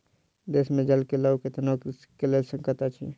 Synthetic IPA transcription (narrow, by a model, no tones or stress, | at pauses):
d̪eːsmẽd͡ʒɐlkelauket̪ɐnak | kelesəŋkət̪at͡ʃʰḭ